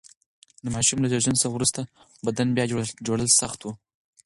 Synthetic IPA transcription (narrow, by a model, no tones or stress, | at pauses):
d̪əmɑʃumlad͡ʒoʒansəɾwɾust̪a | bad̪anbjɑd͡ʒoɽəlsaxt̪wu